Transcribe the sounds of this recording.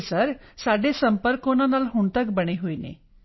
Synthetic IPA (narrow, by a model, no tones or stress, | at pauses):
səɾsaɖesəmpəɾkonanalɦuɳt̪əkbəɽ̃eɦojnḛ